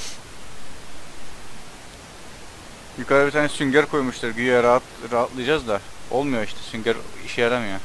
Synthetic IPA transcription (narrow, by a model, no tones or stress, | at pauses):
jykʰaɾɯbit̪ʰaːnɛsyɲɟæɾkʰojmuʃt̪ʰɯɾɡyjɛɾat̪ | ɾaɦat̪lˠɯjad͡ʒazd̪ao̞̰lˠmujoiʃt̪ʰɛ̥syɲɟæɾiʃɛjaɾamja